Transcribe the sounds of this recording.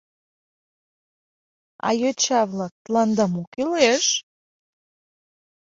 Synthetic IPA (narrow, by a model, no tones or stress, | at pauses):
ɑ̰jøt͡ɕɑβlɑk̚t̪lɑnd̪ɑmokileʃ